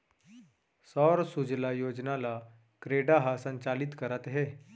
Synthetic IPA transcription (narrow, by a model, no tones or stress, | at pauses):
sɔːɾsud͡ʒlajoːd͡ʒnala | kɾeːɖaɦasə̃ɲt͡ʃaːlɪt̪kəɾət̪ɦɛː